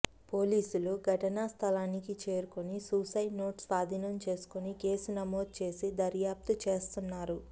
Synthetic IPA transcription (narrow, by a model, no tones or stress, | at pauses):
po̞ːliːsuluɡʱɐʈɐnɐst̪ʰɐlaːnikit͡ʃe̞ːɾukonisuːsɐjno̞ːʈsaːd̪ʱinɐmt͡ʃe̞ːsu̥kunike̞ːsunɐmo̞ːd̪̚t͡ʃe̞ːsid̪ɐɾjaːp̚t̪ut͡ʃe̞ːst̪unːaːɾu